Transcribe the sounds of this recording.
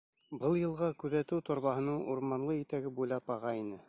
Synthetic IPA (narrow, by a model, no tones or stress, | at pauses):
bɤlˠjɤ̆lˠʁɑkʉðæt̪ɘwt̪ʰŏɾβɑɦɤ̆nɤɴuɾmɑɴlˠɤit̪æɡɘbujlˠɑpɑʁɑinɘ